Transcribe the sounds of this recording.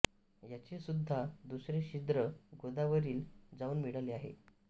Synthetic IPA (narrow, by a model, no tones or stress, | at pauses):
jat͡ɕesud̪ʱːad̪usɾeɕid̪ɾəɡod̪aʋəɾiːld͡zauːnmiɽaleaɦḛ